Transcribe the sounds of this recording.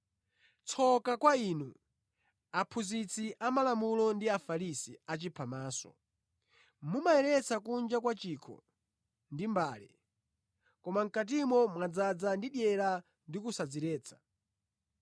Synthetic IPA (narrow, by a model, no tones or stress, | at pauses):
t͡sʰɔkakwaiːnu | apʰuzit͡sʰiʔamalamulɔndiafaɾisiat͡ʃipʰamaːsɔ̰ | mumaɛɾɛt͡sakund͡ʒakwat͡ʃikʰɔ̰ | ndimbaːlɛ̰ | kɔmaŋ̩kat̬imɔmwad͡zad͡zandiɗjɛɾa | ndikusad͡ziɾɛːt͡sʰḁ